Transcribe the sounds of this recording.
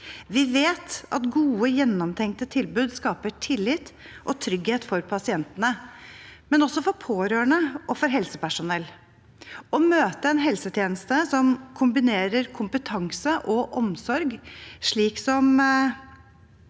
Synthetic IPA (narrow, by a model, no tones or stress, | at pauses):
ʋɪʋeːt̪ʔɑ̰t̪ɡuːəjɛnːɔmt̪ʰɛŋkt̪ət̪ʰɪlbʉːd̪skɑːpəʈʰɪlːɪt̪ | ʔɔt̪ʰɾʏɡheːt̪fɔɾpʰɑsɪɛnt̪ənə | mɛnɔsːɔfɔɾpʰoːɾøːɳəʔɔfɔɾɦɛlsəpæʂʊnɛlː | ɔmøːt̪əɛnɦɛlsət̪ʰjeːnəst̪əsɔmkʰʊmbɪneːɾəɾkʰʊmpət̪ʰɑŋsəʔɔʔɔmsɔɾɡʂɭiːksɔm